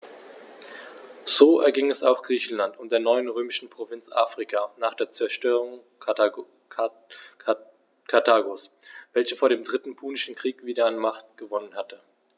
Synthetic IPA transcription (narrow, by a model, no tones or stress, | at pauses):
z̥oːʔɛɐɡɪŋɛsaʊxɡ̥ʁiːçn̩lantʊmdeːɐnɔʏənʁøːmɪʃn̩pʁ̥ovɪnt͡sʔa̰ːfʁ̥ɪkʰaːnaːχd̥eːɐt͡sɛɐʃtøːʁʊŋ | kʰatʰaːɡosv̥ɛlçəfoːɐɾeːmdʁɪtn̩pʰuːnɪʃn̩kʁ̥iːkv̥iːdɐanmaχt̚ɡ̥əvɔnənhatə